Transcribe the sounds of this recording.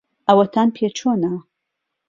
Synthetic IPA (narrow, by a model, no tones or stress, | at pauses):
ɐwɐt̪ʰaːnpʰet͡ʃʰoːna